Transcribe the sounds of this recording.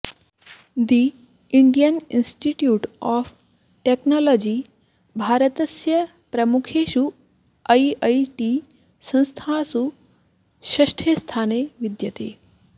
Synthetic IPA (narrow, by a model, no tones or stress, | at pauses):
d̪i | iɳɖijənḭnsʈiʈjuːʈɔːfʰ | ʈeknoːlɔːd͡ʒi | bʱaːɾət̪ɐsjɐ | pɾɐmukʰeːʃu | ɐiɐiʈi | sɐ̃ñst̪ʰasu | ʃɐʃʈʰest̪ʰaːneʋid̪jɐt̪eː